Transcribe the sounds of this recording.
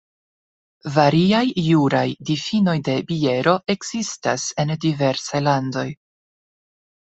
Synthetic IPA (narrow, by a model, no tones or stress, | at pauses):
vaɾiajːuɾajdifino̞jde̞bie̞ɾo̞e̞ɡz̥istase̞ndive̞ɾsajlando̞j